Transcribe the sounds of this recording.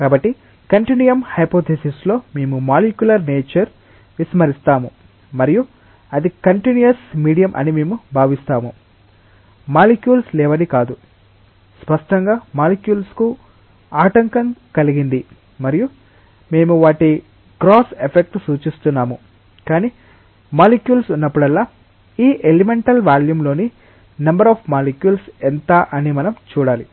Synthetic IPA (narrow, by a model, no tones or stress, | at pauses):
kaːbɐʈːi | kɐɳʈinijɐmhɐjpoːt̪ʰesislo̞ːme̞ːmumaːlikjulɐɾneːt͡ʃɐɾ | ʋismɐɾist̪aːmu | mɐɾiju | ɐd̪ikɐɳʈinijɐsmiːɽijɐmʔɐ̰nime̞ːmubʱaːʋist̪aːmu | maːlikjuːlslɛːʋɐnikaːd̪u | spɐʂʈɐŋɡaːmaːlikjuːlsku | aːʈɐŋkɐŋkɐliɡind̪i | mɐɾiju | me̞ːmuʋaːʈi | ɡɾoːsepʰek̚ʈsuːt͡ʃist̪unːaːmu | kaːniː | maːlikjuːlsunːɐpːuɽɐlːaː | iːʔelimeɳʈɐlʋaːljumlo̞ːni | nɐmbɐɾaːpʰmaːlikjuːlsent̪aʔɐnimɐnɐmt͡ʃuːɽaːli